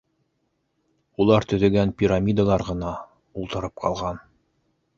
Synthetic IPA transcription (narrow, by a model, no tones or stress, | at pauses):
ulˠɑɾt̪ɵ̆ðɘ̆ɡænpʲiɾamʲid̪alˠɑɾʁɤ̆nɑ | ulˠt̪ɤ̆ɾɤp̚qɑ̰lˠʁɑn